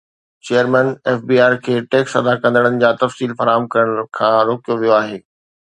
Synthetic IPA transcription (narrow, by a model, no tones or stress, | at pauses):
t͡ɕeːəɾmɛːneːfbiːaːɾkʰeːʈeːksɐd̪akɐ̃nd̪əɽ̃ənɪ̆d͡ʑaːt̪ɐfsiːlfɐɾaːɦəmkɐɾəɽ̃kʰãːɾoːkijoʋijoaːɦeː